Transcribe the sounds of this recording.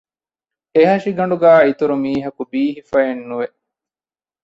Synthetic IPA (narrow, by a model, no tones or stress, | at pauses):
eɦɐʃiɡɐɳɖuɡæːit̪uɾumiːɦɐkubiːɦifɐenːuʋe